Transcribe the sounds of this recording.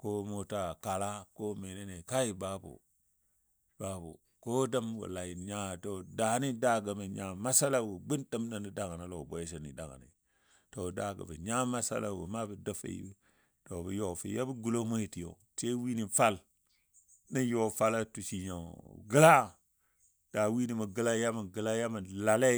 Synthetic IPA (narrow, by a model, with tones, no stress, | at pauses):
ko˦mo˨ta˨ka˨la˦ko˦me˨ne˦ne˨ka˦ji˨ba˦bṵ˨ | b̥a˨bṵ˨ | ko˦da˦mwṵ˨la˨i˨ɲa˦˨to˨da˨˦ni˦da˦ɡə˨mə˨ɲa˨ma˦sa˦la˦wu˨ɡ͡bi˦ndə˦mnə˦˨ni˨da˨ŋa˨na˨lo˨bo˨je˦ʃ̬e˨nḭ˨da̰˨ŋa̰˨nḭ˨ | to˨da˨ɡa̰˨mə̰˨ɲa˦ma˦sa̰˦la˨wə̰˨ma˦bə˨də˦fa̰˨ḭ˦ | to˨bə˨jo˦˨fi˨ja˦bə˦ɡu˨lo˦mo˦ji˨ti˨jo̰˨ | te˦wi˦ni˨fa˦l | nə˦jo˦˨fa˦la˦tu˨ʃi˨ɲa˨ɡə˦la˦ | d̥a˨wi˦ni˨ma˨ɡə˨la˦ja˦ma˨ɡə˨la˦ja˦ma˨la˨le˦